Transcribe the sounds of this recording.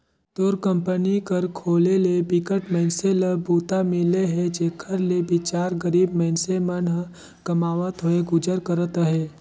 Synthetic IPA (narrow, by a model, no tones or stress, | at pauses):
t̪oːɾkə̃mpənikəɾkʰoːlelebɪkəʈməɦɪnseləbuːt̪amɪleɦɛd͡ʒeːkʰəɾlebɪt͡ʃaːɾɡəɾiːbməɦɪnsemənɦ | kɐmaːʋət̪ɦoeɡʊd͡ʒəɾkəɾət̪ɦɛː